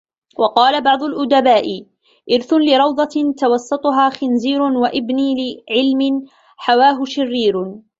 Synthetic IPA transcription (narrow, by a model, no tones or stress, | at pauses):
wɑqɑːlabɑʕd̪ˤʊlʔʊd̪abaːʔɪ | ʔɪɾθʊnlɪɾˤɑwd̪ˤɑt̪t̪awɑsˤːɑt̪ˤʊɦaːxɪnziːɾʊnwaʔɪbniːlɪʕɪlmɪn | ħawaːɦʊʃɪrːiːɾ